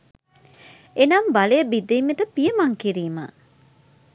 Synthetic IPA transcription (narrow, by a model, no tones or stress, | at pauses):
enɐmbalejəbid̪ejmeʈəpijəmaŋkiɾiːma̰